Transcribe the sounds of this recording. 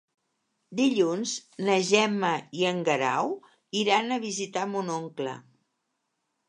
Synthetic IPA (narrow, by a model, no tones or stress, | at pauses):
d̪iʎunznəʒɛməiəŋɡəɾa̰w | iɾanəβ̞izit̪amunoŋklə̰